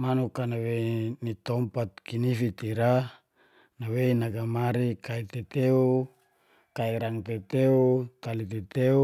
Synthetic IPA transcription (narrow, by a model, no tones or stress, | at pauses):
manukanawenit̪ɔmpat̪̚kinifit̪iɾa | naweinaɡamaɾikait̪et̪eu | kaiɾaŋt̪et̪eut̪alit̪et̪eu